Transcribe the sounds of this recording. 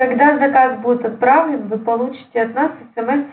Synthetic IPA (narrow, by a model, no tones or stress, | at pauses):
ɐɡd̪azɐkazbudʲɪt̪ɐt̪̚pɾavlʲɪnvɨpɐlˠut͡ɕɪ̥tʲɪɐt̪nasɛsɛmɛs